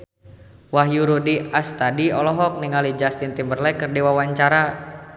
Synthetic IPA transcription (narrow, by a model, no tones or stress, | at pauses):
waɦjuɾudiast̪adiɔlɔɦɔk̚niŋalid͡ʒast̪int̪imbərlɛkɨrdiwawaɲt͡ʃaɾa